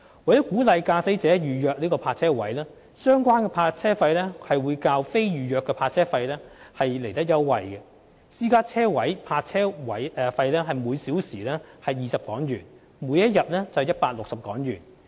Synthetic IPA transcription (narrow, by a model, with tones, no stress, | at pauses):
wɐ˨˩jɔ˨˥kuː˨˥lɐ˨˧jkaː˧se˨˥t͡sɛː˨˥jyː˨jœː˨˧k̚liː˥kɔː˧pʰaː˧t̚t͡sʰɛː˥wɐ˨˥jlɛː˥ | sœː˥ŋkʷaː˥nkɛː˧pʰaː˧t̚t͡sʰɛː˥fɐ˧jlɛː˥hɐ˨jwuː˨˧jkaː˧wfe˥jɥyː˨jœː˨kːɛː˧pʰaː˧t̚t͡sʰɛː˥fɐ˧jlɛː˥hɐ˨jle˨˩jt̪ɐ˥k̚jɐ˥wːɐ˨jɡɛ˧ | siː˥kaː˥t͡sʰɛː˥wɐ˨˥jpʰaː˧t̚t͡sʰɛː˥wɐ˨˥jfɐ˧jlɛː˥ɦɐ˨jmuː˨˧jsiː˨˥wsiː˨˩lɛː˥hɐ˨jːiː˨˩sɐ˨p̚kɔː˨˥ŋjyː˨˩n | mu˨˥jɐ˥t̚jɐ˨t̚lɛː˥t͡sɐ˨hjɐ˥t̚paː˧k̚lʊ˨k̚sɐ˨p̚kɔː˨˥ŋjyː˨˩n